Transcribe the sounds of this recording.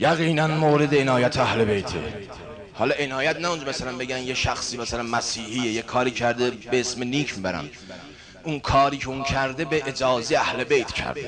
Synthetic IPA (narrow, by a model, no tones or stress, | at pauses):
jæɣiːnænmoːɾed̪eenɒːjæt̪ʰeæhle̞be̞jt̪ʰḛ | hɒːlɒe̞nɒːjæt̪næund͡ʒɔmæsælænbe̞ɟænjeʃæxsiːmæsælænmæsiːhiːjejekʰɒːɾiːcʰæɾd̪ebeesmeniːcʰmiːbæɾæ̰m | unkʰɒːɾiːcʰe̞uncʰæɾd̪e̞be̞ʔed͡ʒɒːzeeæhle̞bejt̪ʰcʰæ̰ɾd̪e